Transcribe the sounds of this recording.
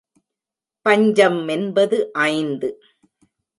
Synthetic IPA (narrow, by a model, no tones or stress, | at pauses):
pɐɲd͡ʒɐmɛnbɐðɯʔɐɪnd̪ɯ